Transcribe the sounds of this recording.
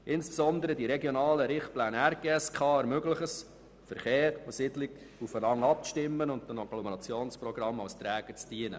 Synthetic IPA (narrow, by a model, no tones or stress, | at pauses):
ʔɪnsb̥sɔnd̪əɾədiɾɛɡjonɑːləɾɪχt̚plæːnæɾɡ̥eːɛskʰɑːɾmøɡləχəs | fəɾχeːɾɔsɪdlɪɡ | ufənɑŋɑp̚ʃtɪmːənʊndənɑɡ̥lɔməɾɑt͡sjoːnsprɔɡɾɑmːɑwst̪ɾæːɡ̥əɾt͡sd̥iənə̰